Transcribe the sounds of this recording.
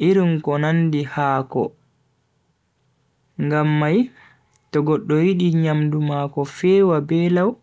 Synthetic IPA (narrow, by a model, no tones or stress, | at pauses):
ʔiɾinkɔnandihaːkɔ̰ | ŋɡamːaj | tɔɡɔɗːɔwiɗiɲamdumaːkɔfɛːwabɛlaw